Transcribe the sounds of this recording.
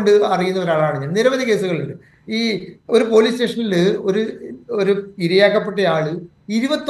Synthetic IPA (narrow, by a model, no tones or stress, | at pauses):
ɳɖɨɐrijunːɐoɾaːɭaːɳɨɲaːnniɾɐbɐðike̞ːsuɣɐɭuɳɖɨ | iːo̞ɾupo̞ːliːste̞ːʂɐnilɨo̞ɾuoɾuiɾɐjaːkːɐpːe̞ʈːɐaːɭɨ | iɾubɐt̪ː